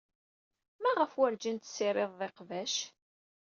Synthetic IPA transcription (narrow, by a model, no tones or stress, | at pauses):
mæʁəfwæɾd͡ʒint̪sːɪɾˤeðˤðeqvæʃ